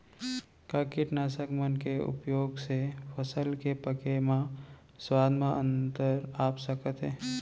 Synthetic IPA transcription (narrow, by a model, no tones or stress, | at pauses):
kaːkɪʈnaːsəkmənkeʊ̰pjoːɡsepʰəsəlkepəkemã | swaːd̪ʱmãʔə̃nt̪əɾaːpsəkət̪ɦɛː